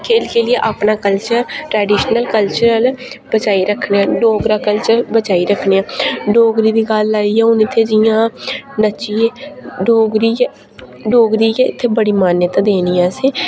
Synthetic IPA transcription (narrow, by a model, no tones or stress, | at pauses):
kʰeːlkeːlɪeːʔaːpnaːkəlt͡ʃəɾʈɾɛːɖiːʃnəlkəlt͡ʃəɾəl | bət͡ʃaːiɾəkʰneːãːɖoːɡɾaːkəlt͡ʃəɾlbət͡ʃaːiɾəkʰneːãːɖoːɡɾiːd̪iːɡalːaːiːɛːʊnɪt̪ʰːeːd͡ʒɪjãːnət͡ʃieːɖoːɡɾiː | ɖoːɡɾiːkeːɪt̪ʰːeːbəɽiːmaːnjət̪ãːd̪eːniːɛ̃ːsiː